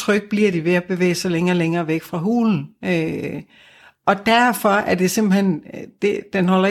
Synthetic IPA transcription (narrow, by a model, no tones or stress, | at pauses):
t͡sʰʁœɡ̥̚b̥liɐd̥iʋe̝æb̥e̝ʋḛːɪsɑleŋɐːleŋɐːʋeɡ̥fʁɑ̈ɦṵːln̩ø | ʔɒ̽d̥æɐfɒ̽æɐd̥e̝se̝m̰b̥l̩hend̥e̝d̥enɦɒ̽lɐ